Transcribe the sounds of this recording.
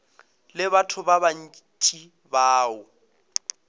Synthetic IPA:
lɪβatʰʊbaban̩ | t͡ʃʼi | baːʊ

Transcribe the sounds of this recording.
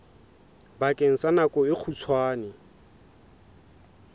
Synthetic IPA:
bakʼeŋ̩sanakʼɔɪk͡xʰut͡sʰwaːnɪ

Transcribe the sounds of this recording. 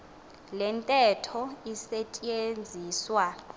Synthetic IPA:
lɛntʼɛtʰɔisɛt͡ʃʼend͡zʱiːswa

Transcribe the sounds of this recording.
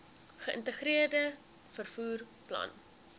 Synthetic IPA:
χəʔə̰ntəχɾiərdə | fərfuːr | plɐ̰n

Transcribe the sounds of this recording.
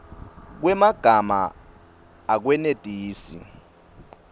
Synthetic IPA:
k̬wɛmaɡ̥ʱama̰ː | k̬wɛned̥ʱʼiːsḭ

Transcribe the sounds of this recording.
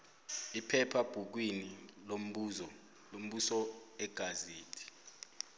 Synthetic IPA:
ipʰɛpʰab̥ʱuk̬winilom̩ | lom̩ɓusɔɛɡ̥ʱazeːtʰi̥

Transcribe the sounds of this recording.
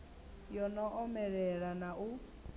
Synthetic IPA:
jɔnɔʔɔmɛɺɛɺanau

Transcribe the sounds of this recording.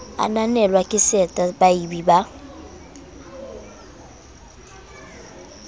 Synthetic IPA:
a̰nanɛlwakʼɪsɛtʼabaibiba

